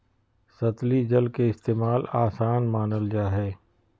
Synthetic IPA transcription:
sɐt̪lid͡ʒəlkeɪst̪eːmaːlaːsaːnmaːnəld͡ʒaːɦɛː

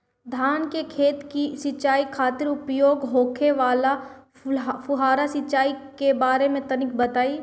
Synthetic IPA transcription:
d̪ʱaːnkekʰeːt̪kisɪt͡ʃaːikʰaːt̪ɪɾʊpjoːɡɦoːkʰeʋaːla | fʊɦaːɾasɪt͡ʃaːikebaːɾemẽt̪ɐnɪk̚bɐt̪aːi

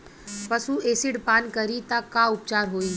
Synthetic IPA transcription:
pəsueːsiɽpaːnkəɾit̪akaʊp̚t͡ʃaːɾɦoːiː

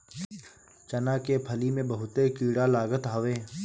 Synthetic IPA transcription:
t͡ʃənaːkepʰəlimẽbəɦʊt̪ekiːɽalaːɡət̪ɦaʋeː

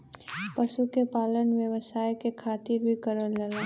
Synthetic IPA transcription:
pəʃukepaːlənʋjə̃ʋəsaːjkekʰaːt̪ɪɾbʱikəɾənləɡa

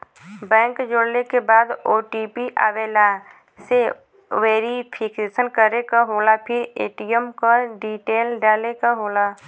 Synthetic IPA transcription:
bɛ̃ːŋkd͡ʒoːɽlekebaːd̪oːʈipiʔa̰ʋeːla | se | ʋeːɾipʰɪkeːsənkəɾekaɦoːlapʰɪɾeːʈijəmkaɖiːʈeːlɖaːlekaɦoːla

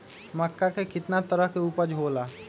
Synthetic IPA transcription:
məkːakekɪt̪nat̪əɾəɦkeuːpəɾd͡ʒʱoːla

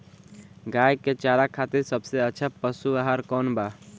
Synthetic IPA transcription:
ɡajket͡ʃaɾakʰat̪iɾsəbseətːt͡ʃʰapəsuaɦaɾkɔnba

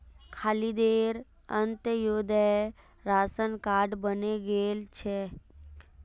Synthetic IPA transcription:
kʰaːlid̪eːɾ | ə̃nt̪joːd̪ə | ɾaːsənkaːɖbəneɡeːlt͡ʃʰe

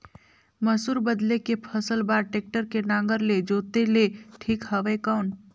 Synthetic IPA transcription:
məsuːɾbəd̪lekepʰəsəlbaːɾʈeːk̚ʈəɾkenãːŋɡəɾled͡ʒoːt̪eleʈʰiːkɦəʋekaːn

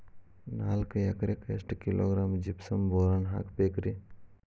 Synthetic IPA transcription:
naːlkjɐkɾekesʈkilʔo̰ːɡɾaːmd͡ʒipsɐmboːɾanɦa̰kpeːkɾi

